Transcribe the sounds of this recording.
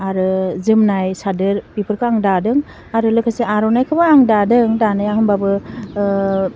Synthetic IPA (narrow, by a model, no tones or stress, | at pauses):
aɾɯzɯmnajsadɯɾpipʰɯɾkʰɯaŋdadɯŋ | aɾɯlɯkʰaseaɾɔnajkʰɯbaaŋdadɯŋdanajaɦɯmbabɯ